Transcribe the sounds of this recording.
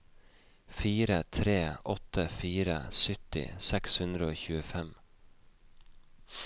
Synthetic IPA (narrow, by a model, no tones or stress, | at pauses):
fiːɾət̪ʰɾeːʔɔt̪əfiːɾə̰sʏt̪ɪ̰sɛkshʉnd̪ɾəoːçʉːəfɛm